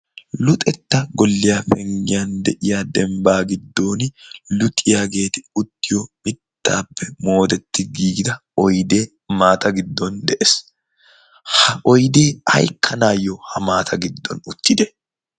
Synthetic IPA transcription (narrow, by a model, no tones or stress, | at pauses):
lʊt̪ʼɛt̪ːɐɡɔlːɪjaːfɛŋɡɪjand̪ɛʔɪjaːd̪ɛmbaːɡɪd̪ːo̞ːnɪlʊt̪ʼːɪjaːɡe̞ːt̪ɪʊt̪ːɪjɔmɪt̪ːa̰ːpːɛmo̞ːt̪ɛt̪ːɪɡiːɡd̪ɐɔjd̪e̞ː | maːt̪ɐɡɪd̪ːɔnd̪ɛʔes | hɐɔjd̪e̞ːɐ̰jkʰːɐnaːjɔhɐmaːt̪ʰɐɡɪd̪ːɔ̰nʊt̪ːɪd̪ɛ